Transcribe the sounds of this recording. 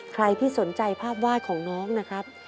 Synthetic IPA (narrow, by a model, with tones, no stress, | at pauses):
kʰɾa˧jt̪ʰiː˥˩so˩˦nt͡ɕa˧jpʰaː˥˩p̚waː˥˩t̪̚kʰɔː˩˦ŋnɔː˦˥ŋna˦˥kʰɾa˦˥p̚